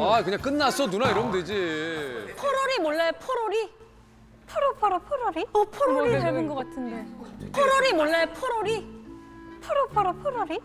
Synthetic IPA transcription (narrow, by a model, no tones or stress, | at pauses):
akɯɲaŋk͈ɯnːasʰʌnunaiɾʌmded͡ʑi | pʰʌɾoɾimwʌɭːepʰoɾoɾi | pʰoɾopʰʌɾopʰoɾoɾiʌpʰoɾooɾiaɭonɡʌk͈atʰɯnde̞pʰʌɾoɾimwʌɭːepʰʌɾoɾi | pʰoɾopʰʌɾopʰoɾoɾi